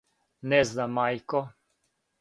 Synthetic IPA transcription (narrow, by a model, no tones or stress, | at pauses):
nɛzd̪amajkɔ